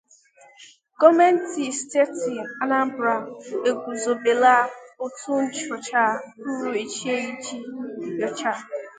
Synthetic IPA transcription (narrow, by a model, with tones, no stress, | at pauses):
ɡɔ˦me˦n̩˦ti˨ste˦ti˨a˦na˦m̩˦bɾa˨e˨ɡʷu˨zo˨be˨la˦o˦tu˦n̩˦t͡ʃɔ˨t͡ʃa˦u˦ɾu˨i˨t͡ʃi˦e˦i˦t͡ʃi˦jɔ˨t͡ʃa˦˨